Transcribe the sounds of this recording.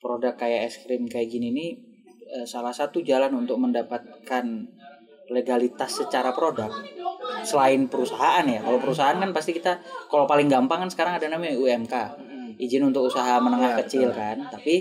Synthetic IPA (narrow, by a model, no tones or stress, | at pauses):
pɾodakːajaɛskɾɪmkajaʔɡinini | əsalahsat̪ud͡ʒalanunt̪ʊk̚məndapat̪̚kan | leɡalit̪asːət͡ʃaɾapəɾodak̚səlaɪnpəɾusaɦaʔanjakalawpəɾus̬aɦaːnkanpast̪ikit̪akalawpalɪŋɡampaŋkansə̥kaɾaŋadanamauɛmka | ʔid͡ʒɪnunt̪ʊk̚usaɦamənəŋahkət͡ʃɪlkant̪api